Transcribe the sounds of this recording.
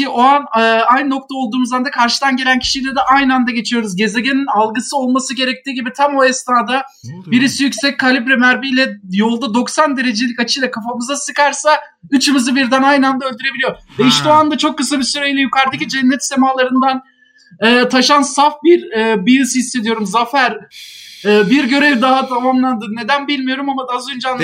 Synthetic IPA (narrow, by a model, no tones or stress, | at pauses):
iʔoanːajnno̞k̚t̪ʰaolˠd̪uːmuzand̪akʰaɾʃɯd̪anɟe̞lʲæncʰi̥ʃijlʲɛd̪ɛʔajnɯand̪aɟe̞t͡ʃʰijo̞ɾuzɟe̞ze̞ɟeninalˠɡɯsɯo̞lˠmasɯɟe̞ɾɛc̚t̪ʰiːɟibit̪ʰamo̞ɛst̪aːd̪a | biɾisijycsɛc̚ʲkʰːalʲibɾɛmæɾbijlʲɛjo̞lˠd̪ad̪o̞ksand̪e̞ɾe̞d͡ʒelʲicat͡ʃʰɯjlʲɛkʰafamɯzasɯkaɾsa | yt͡ʃʰɯmɯzɯbiɾd̪ænajnɯand̪aølʲd̪yɾe̞bilʲijovejiʃt̪ioand̪at͡ʃʰo̞kːɯsabisyɾejlʲɛjykʰaɾd̪ɯcid͡ʒɛnːɛt̪semaːlˠaɾɯnd̪an | ɛːt̪ʰaʃansafbiɾɛːbijɯshisːed̪ijo̞ɾumzafæɾ | ɛːbiɾɟø̞ɾevd̪aɦat̪ʰamamlˠand̪ɯne̞d̪ænbilʲmijo̞ɾumamad̪aazønd͡ʒan